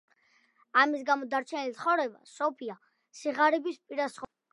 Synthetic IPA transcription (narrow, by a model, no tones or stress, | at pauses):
amis̬ɡamɔd̪aɾt͡ʃʰɛnilit̪sʰχɔvɾɛba̰sɔpʰia | siʁaɾɛbispʼiɾasχ